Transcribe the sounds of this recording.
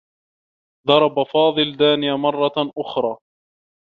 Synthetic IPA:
ðɑɾˤɑbafɑːðˤɨld̪aːnɪjaːmɑrˤːɑʔʊxɾˤɑː

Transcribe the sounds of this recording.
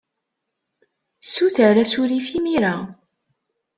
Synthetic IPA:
suθəɾæsuɾifimiɾa

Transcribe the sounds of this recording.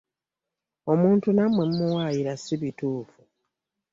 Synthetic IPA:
o̞muːntunamwemumuwaːjiɾasiβituːfu

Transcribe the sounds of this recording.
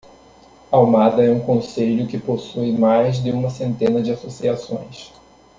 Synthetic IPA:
awmad̪ɐɛũkõseʎʊkɪposujmajzd̪ɪũmɐsẽnt̪ẽnɐd͡ʒɪasosiasõ̰j̃s

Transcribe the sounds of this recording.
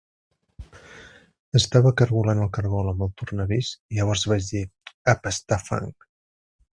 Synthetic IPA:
əst̪aβəkəɾɣulanəlˠkəɾɣɔlˠəmbəlˠt̪urnəβisiʎəβ̞ɔɾzβad͡ʒd̪iəpəst̪afa̰ŋk

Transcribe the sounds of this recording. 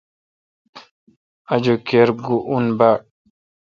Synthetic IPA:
ʔad͡ʒɔkɛɾɡuʔunba

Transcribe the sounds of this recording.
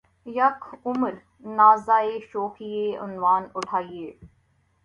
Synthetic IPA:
jɐkʰʊməɾ | naːzaːeːʃoːxiːeːʔʊ̰nʋaːnʊʈʰaːieː

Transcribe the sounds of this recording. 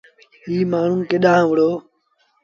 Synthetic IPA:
ɦiːmaːɳ̤ũːkeɗãːʋəɽ̤oː

